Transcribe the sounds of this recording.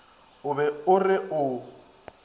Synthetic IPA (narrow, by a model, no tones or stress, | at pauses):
ʊbɛʊrɪʔʊ